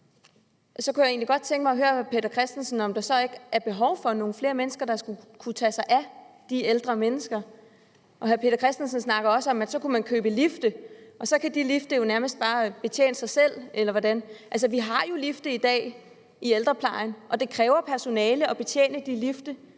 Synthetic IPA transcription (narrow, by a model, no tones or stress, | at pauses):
sɒ̽kujäe̝ːnliɡ̥ɒ̽d̥̚t͡sʰeŋɡ̥mɑ̈ɪɦøːɐpʰe̝̰ːdɐkʰʁɛsd̥en̩sən̩ɒ̽md̥ɑ̈sɒ̽e̝ɡ̥æɐb̥e̝ɦɒʊfɒ̽no̝ːn̩fle̝ːɐmenəsɡ̥ɐd̥ɑ̈sɡ̥ukʰut͡sʰɛsɑ̈ɪʔæd̥ield̥ʁɐmenəsɡ̥ɐ | ʔɒ̽ɦæɐpʰe̝̰ːd̥ɐkʰʁɛsd̥ensnsnɑ̈ɡ̥ɐɒ̽səɒ̽mæd̥sɒ̽kʰumænkʰø̰ːb̥əlifd̥əʔɒ̽sɒ̽kʰæd̥ilifd̥əjo̝næɐməsd̥̚b̥ɑ̈ːb̥e̝t͡ɕʰjḛːnəsɑ̈ɪsel̰elɐʋɒdænʔæls̬əʋiɦɑ̈jo̝lifd̥əid̥ɛ̰ː | ield̥ʁɐpʰlɑ̈ɪnʔɒ̽d̥e̝kʰʁɛːʊɐpʰæɐso̝nɛːləɒ̽b̥e̝t͡sʰjḛːnəd̥ilifd̥ə